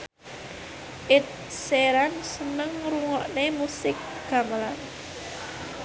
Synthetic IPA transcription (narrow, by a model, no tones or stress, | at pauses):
ʔɪt̪̚seɾansənəŋɾuŋɔʔnemusɪk̚ | ɡ̥a̤məlan